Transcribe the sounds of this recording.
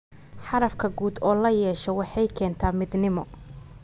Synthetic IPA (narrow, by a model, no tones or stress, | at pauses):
ħɑɾɐfkʰɐɡuːd̪ɔːlɐjɛːʃɔwɑħɑjkʰɛːnt̪ʰaːmɪd̪nɪmɔ